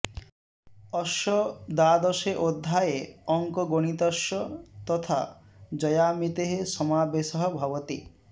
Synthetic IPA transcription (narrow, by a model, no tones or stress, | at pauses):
ɔʃɔd̪ad̪ɔʃeʔod̪ʱːajeɔŋkɔɡoɽ̃it̪ɔʃɔt̪ɔt̪ʰa̰ | d͡ʒɔjamit̪eɦesɔmabesɔɦɔbʱɔbɔt̪i